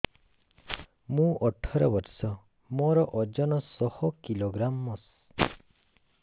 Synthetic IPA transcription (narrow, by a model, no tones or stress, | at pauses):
mũʔɔʈʰɔɾabɔɾsɔ | mɔɾɔʔɔd͡ʒɔnɔsɔhɔkiloɡɾamːɔs